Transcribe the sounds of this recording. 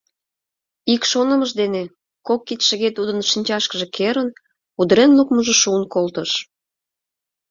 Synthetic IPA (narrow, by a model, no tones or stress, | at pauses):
ikʃonəməʒd̪ene | kokːit̪ʃəɣet̪ud̪ənʃinʲt͡ɕɑʃkəʒekʰeɾən | ud̪əɾenlukməʒəʃuənkolt̪əʃ